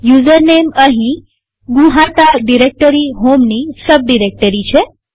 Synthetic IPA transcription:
juːzəɾneməɦĩ | ɡũɦãt̪aɖiɾek̚ʈəɾiɦomnisəb̚ɖiɾek̚ʈəɾit͡ʃʰe

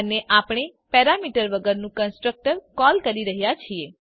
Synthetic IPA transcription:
neʔapɳ̃epɛɾamiʈəɾʋəɡəɾnũkənsʈɾək̚ʈəɾkɔlkəɾiɾəɦjat͡ʃʰie

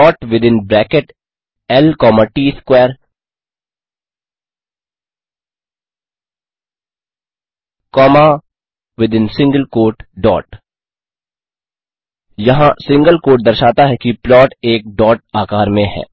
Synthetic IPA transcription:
ɔːʈʋɪd̪ɪnbɾɛːkeʈ | ɛlkɔːmaʈiːskʋɛːəɾ | kɔːma | ʋɪd̪ɪ̃nsɪ̃ŋɡəlkoːɾʈɖɔ̰ːʈ | jɐɦãsɪ̃ŋɡəlkoːʈ̚d̪ɐɾʃaːt̪aɦɛkiplɔːʈeːk̚ɖɔːʈ̚aːkaːɾmẽɦɛ̰ː

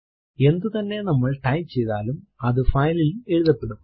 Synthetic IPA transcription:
e̞nd̪ut̪ɐnːe̞nɐmːɐɭʈɐjmt͡ɕe̞jt̪aːlumɐðɨfɐjlile̞ɻuðɐpːe̞ɽum

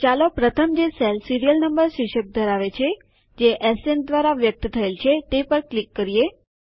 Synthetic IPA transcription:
t͡ʃalopɾət̪ʰəmd͡ʒeselsiɾijəlnəmbəɾsɪʃək̚d̪ʱəɾaʋet͡ʃʰe | d͡ʒeʔɛsend̪ʋaɾaʋjək̚t̪t̪ʰəelt͡ʃʰet̪epəɾklikːəɾie

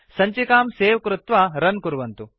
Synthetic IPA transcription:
sɐɲt͡ʃikaːmseːʋɐkɾut̪ʋaɾɐnkuɾuʋɐnt̪u

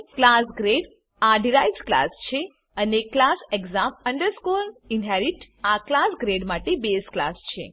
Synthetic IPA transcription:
klasɡɾeɖ | aɖiɾajzkla̰st͡ʃʰe | əneklaseɡzaməɳɖəɾskulinɦɛɾiʈ | aklasɡɾeɖmaʈebeskla̰st͡ʃʰḛ

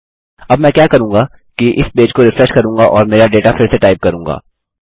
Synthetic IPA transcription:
ɐbmɛ̃kjaːkɐɾũːŋɡa | kiʔɪsbeːd͡ʒkoɾɪfɾɛʃkɐɾũːŋɡaʔɔːɾmeːɾaɖeːʈafɪɾseʈaːɪp̚kɐɾũːŋɡa̰ː

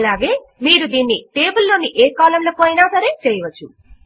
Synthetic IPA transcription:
laːɡe | miːɾud̪inːiʈeːbəlːoniʔekɔlɐmlɐpojnaːd̪ʱɐɾet͡ʃejʋət͡ʃʰu

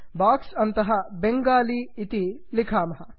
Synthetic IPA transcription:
baːksɐnt̪ɐɦɐbeŋɡaːliːt̪ilikʰaːmɐɦɐ

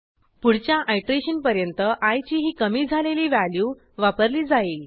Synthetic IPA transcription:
puɽt͡ɕjaʔajʈɾeɕənpəɾjənt̪əʔajt͡ɕiːɦiːkəmiːd͡zʱaleliːʋælju | ʋapəɾliːd͡zail

